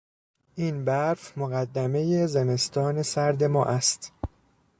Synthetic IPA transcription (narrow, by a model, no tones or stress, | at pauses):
ʔiːnbæɾfmoɣæd̪ːæme̞je̞zeme̞st̪ʰɒːne̞sæɾd̪e̞mɒ̰ːʔæst̪